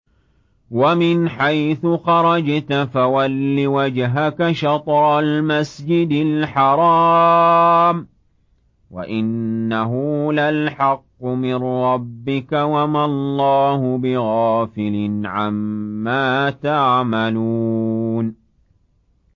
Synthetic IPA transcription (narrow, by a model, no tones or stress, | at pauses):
wamɪnħajθʊxɑɾˤɑd͡ʒt̪afawalːiwad͡ʒɦakaʃɑt̪ˤɾˤɑlmasd͡ʒɪd̪ɪlħɑɾˤɑː | m | wa̰ʔɪnːaɦʊlalħɑqːʊmɪnɾɑbːɪkawamalˤːɑːhʊbɪɣɑːfɪlɪnʕamːaːt̪aʕmaluːn